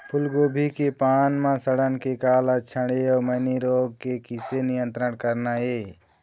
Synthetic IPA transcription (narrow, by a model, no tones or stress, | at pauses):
pʰʊlɡoːbʱikepaːnmãsəɽənkekaːlət͡ʃʰəɽeɔːməniɾoːɡ̚kekɪsenɪjə̃nt̪ɾəɽkəɾnaɦeː